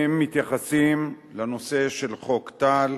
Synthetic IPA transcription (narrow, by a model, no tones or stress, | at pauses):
emːit̪jaχasim | lano̞se̞ʃe̞lχo̞kt̪al